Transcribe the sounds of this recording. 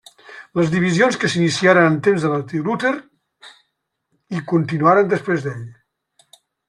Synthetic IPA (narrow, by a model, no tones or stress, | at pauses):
ləzðiβizionskəsinisiaɾənənt̪emzðəlat̪ilut̪eɾ | ikunt̪inuaɾənd̪əspɾezðeʎ